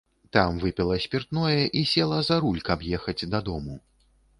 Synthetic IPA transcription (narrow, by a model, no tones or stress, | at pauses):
t̪amvɨpʲilˠɐsʲpʲirt̪nɔjɛʔisʲɛlˠɐzɐɾulʲkɐpjɛxɐd͡zʲd̪ɐd̪ɔmu